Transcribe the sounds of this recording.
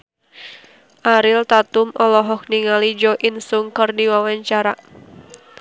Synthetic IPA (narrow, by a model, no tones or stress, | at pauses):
ʔaɾɪlt̪at̪umʔɔlɔɦɔk̚niŋalid͡ʒɔʔinsuŋkərdiwawaɲt͡ʃaɾa